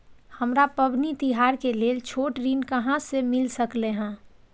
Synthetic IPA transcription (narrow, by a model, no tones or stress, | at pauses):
həmɾapəbʱnit̪iɦaːɾkeleːt͡ʃʰoːʈɾiːnkəɦãsemɪlsəkleɦɛ̃ː